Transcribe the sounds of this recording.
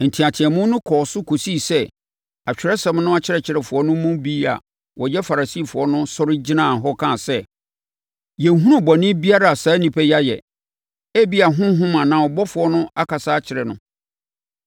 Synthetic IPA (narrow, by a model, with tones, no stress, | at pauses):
n̩˨tʰĩ˨a˨tʰɪ˨ɛ˨mʊ̃˦nʊ̃˦kʰɔː˨sʊ˦kʰo˨si˦˨sɛ˦ | a˨t͡ɕᶣɪ˨ɾɛ˦sɛ̃˦mnʊ̃˦a˦t͡ɕʰɪ˦ɾɛ˨t͡ɕʰɪ˨ɾɛ˨fʊ˨ɔ˦nʊ̃˦mʊ̃˦bi˦a̰˨ | wɔ˨jɛ˦fa˨ɾa˨si˦˨fʊ˨ɔ˦nʊ̃˦sɔ˦ɾɪ˦d͡ʑi˦nã˦˨ɦɔ˦kʰã˦˨sɛ˦˨ | jɛ̃˨ŋ˨ɦũ˦ɾʊ̃˦bɔ˨nɪ̃˦bi˦a˦ɾa˨a˨saː˨˦nĩ˨pʰɛ˦ja˦jɛ̰˨ | æ˦bi˦a˨ɦʊ̃˦ɦʊ̃˦mã˨nã˨wɔ˨bɔ˦fʊ˨ɔ˦nʊ̃˦a˦kʰa˨saː˦t͡ɕʰɪ˨ɾɛ˨nʊ̰̃˨